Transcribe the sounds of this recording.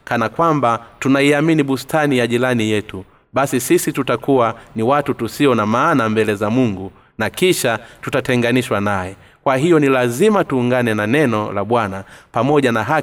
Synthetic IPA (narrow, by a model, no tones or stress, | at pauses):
kanakwambatunaiaminiɓustʰanijaʄilanijɛtu | ɓasisisitutakuwaniwatutusiɔnamaːnambɛlɛzamuŋɡu | nakiʃatutatɛŋɡaniʃwanajɛ | kwaɦijɔnilazimatuːŋɡanɛnanɛnɔlaɓwanapamɔʄanaɦa